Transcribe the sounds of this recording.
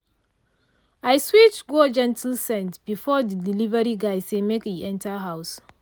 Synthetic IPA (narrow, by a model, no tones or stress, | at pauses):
ajswit͡ʃɡod͡ʒɛ̃ntʰl̩sɛ̃ntb̥ifɔdidilivəɹiɡajsemekiʔɛ̃ntʰaɦaws